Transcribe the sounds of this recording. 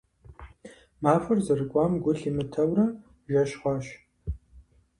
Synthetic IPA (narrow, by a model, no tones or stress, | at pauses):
maːfɨrzɐrɨkʷʼɑːmɡʷʊɬiːmɨtʰɐwrɐ | ʒɐɕχʷɑːɕ